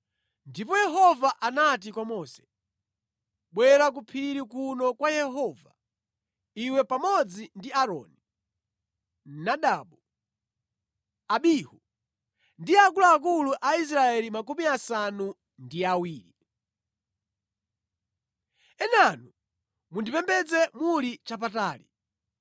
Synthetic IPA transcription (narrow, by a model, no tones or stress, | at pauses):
ndipɔjɛɦɔvaʔanat̬ikwamɔːsɛ̥ | ɓwɛɾak̬upʰiɾikunɔkwajɛɦɔva̰ | iwɛpamɔd͡zindiaɾɔ̰ːni | naɗaːɓu | aɓihu | ndiakulaːk̬uluʔais̬ɾaɛlimak̬umiasanu | ndiawiːɾi | ɛnanu | mundipɛmbɛd͡zɛmulit͡ʃap̬ataːlḭ